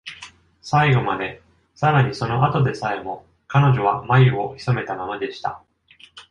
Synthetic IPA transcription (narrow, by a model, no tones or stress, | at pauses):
saiɡo̞mad̪e̞ | saɾaɲ̟iso̞no̞ʔat̪o̞d̪e̞sae̞mo̞ | kano̞ʑo̞β̞amajɯo̞çi̥some̞t̪amamad̪e̞ɕi̥t̪a̰